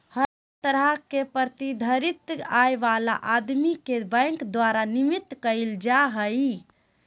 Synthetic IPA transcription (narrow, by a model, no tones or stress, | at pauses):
hə | t̪əɾəɦkepəɾt̪id̪ʱəɾit̪ajʋala̰ʔad̪mikebə̃ŋkd̪ʋaɾanimit̪ːkəɪld͡ʒaɦəj